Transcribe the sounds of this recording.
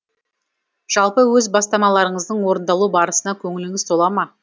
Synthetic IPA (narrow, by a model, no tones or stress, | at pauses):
ʒ̥ɑlˠpəwɵzbɑst̪ɑmɑlˠɑɾəɴəzd̪əɴwo̞ɾənd̪ɑlˠubɑɾəsənɑkʲʰɵŋɪlɪŋɪzt̪ʰo̞lˠɑmɑ